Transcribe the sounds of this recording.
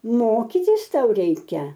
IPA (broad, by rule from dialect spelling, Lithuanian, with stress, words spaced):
ˈmoːkʲiːtʲɪs ˈtɐʊ ˈrʲɛɪkʲɛ